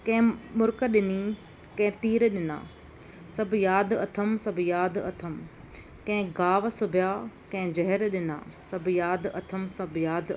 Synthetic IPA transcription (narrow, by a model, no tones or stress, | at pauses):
kɐ̃ɦɪ̃mʊɾkəɗɪni | kɐ̃ɦɪ̃t̪iːɾɗɪna̰ː | sɐbʱjaːd̪ɐt̪ʰəmsɐbʱjaːd̪ɐt̪ʰəm | kɐ̃ɦɪ̃ɡaːʋsʊbʱijaːkɐ̃ɪ̃d͡ʑɐɦɛɾɗɪna̰ːsɐbʱjaːd̪ʔɐt̪ʰəmsɐbʱjaːd̪